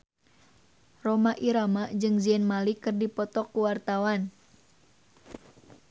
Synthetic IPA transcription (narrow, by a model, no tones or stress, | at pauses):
romaʔiɾamaʔd͡ʒɨŋziɛnmalikɨrdipɔt̪ɔkːuwart̪awan